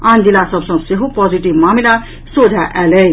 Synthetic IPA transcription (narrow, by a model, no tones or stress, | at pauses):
andilasʌbsʌ̃ŋseɦopɔd͡ziʈibmamila | sod͡zʱaʔɛlej